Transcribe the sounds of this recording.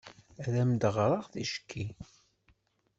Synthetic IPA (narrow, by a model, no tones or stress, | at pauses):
æðæmd̪əʁɾˤɑʁθiʃkʰːi